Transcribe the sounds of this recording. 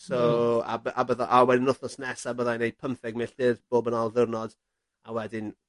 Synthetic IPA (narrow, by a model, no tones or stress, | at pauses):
soa̰babəðaʔawɛdɪnʊθɔsnɛsabəðajnejpʰəmθɛɡ̚mɪɬd̥ɨrb̥oːbənalˠðʊrnɔd̥ | awɛdɪn